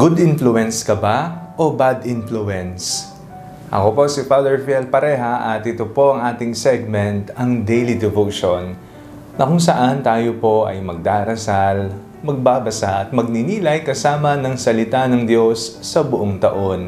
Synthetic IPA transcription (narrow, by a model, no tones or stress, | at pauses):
ɡ̥ʊd̪ʔɪnfluɛnskɐbaʔo̞bad̪ɪnfluʔɛns | ʔɐ̰ko̞po̞sɪfad̪ɛɹfɛlpɐɾɛɦɐʔɐt̪ɪt̪opo̞ʔɐŋʔaːt̪ɪŋsɛɡ̚mɛnt̪ɐŋd̪ejlid̪ɛvowʃonː | ɐkʊŋsɐʔant̪aːjopo̞ʔɐ̰jmɐɡ̚d̪aːɾɐsal | mɐɡ̚baːbɐsaʔɐt̪̚mɐɡ̚nɪniːlɐjkɐsaːmɐnɐŋsɐlɪt̪anɐŋd̪jo̞sːɐbʊʔoŋt̪ɐʔo̞n